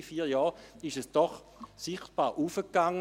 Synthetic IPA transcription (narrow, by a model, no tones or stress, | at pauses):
fiːɐjɑːɪʃəsd̥ɔχ | sɪχt̚b̥aːʁʔufəkːaŋːə